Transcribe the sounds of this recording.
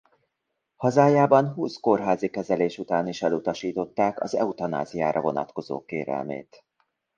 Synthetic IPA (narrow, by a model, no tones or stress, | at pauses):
hɒzaːjaːbɒnɦuːsko̞rɦaːzikɛzɛleːʃut̪aːniʃɛlut̪ɒʃiːt̪o̞t̪ːaːkɒ̰zɛ̰ut̪ɒna̰ːzijaːɾʔɒvo̞nɒ̰t̪ko̞zo̰ːkeːɾɛ̰lmḛːt̪